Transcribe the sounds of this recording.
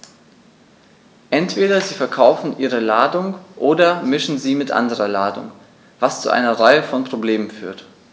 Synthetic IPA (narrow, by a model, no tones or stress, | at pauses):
ʔɛntv̥eːdɐziːfɛɐkʰaʊfn̩ʔiːʁ̞əlaːdʊŋʔoːdɐmɪʃn̩ziːmɪtʔa̰ndəʁɐlaːdʊ̰ŋ | vast͡sṵʔa̰ɪnɐʁaɪəfɔnpʁ̥obleːmənfy̰ːɐt